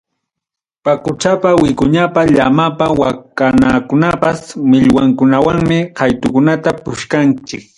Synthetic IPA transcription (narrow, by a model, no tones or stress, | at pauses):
pakʊt͡ʃapawɪkʊɲapaʎamapawakanakʊnapasmɪʎwaŋkʊnawaŋmɪkajt̪ʊkʊnat̪apʊʃkant͡ʃɪk̚